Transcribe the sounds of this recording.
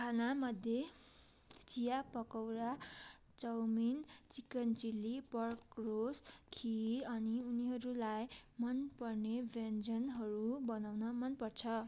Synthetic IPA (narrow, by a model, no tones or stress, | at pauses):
kʰanamʌd̪ʱje | t͡sijapʌkʌwɾa | t͡sʌwmint͡sikʌnt͡silipʌrkroskʰiʌniuniɦʌɾulajmʌnpʌrnebend͡zʌnɦʌɾubʌnawnʌmʌnpʌrt͡sʰʌ